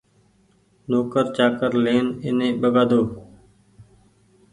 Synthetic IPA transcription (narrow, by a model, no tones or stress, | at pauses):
noːkəɾt͡ʃaːkəɾleːnɪnẽːɓəɡaːd̪oː